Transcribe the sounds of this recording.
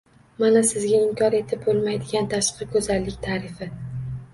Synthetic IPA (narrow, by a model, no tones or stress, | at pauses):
manasɪzɡʲaɪmkʲʰɒɾe̞t̪ʰɪb̚bolˠmajd̪ɪɡʲant̪ʰaʃqɨkʰɵzalːɪkʲt̪ʰaːɾɪfɪ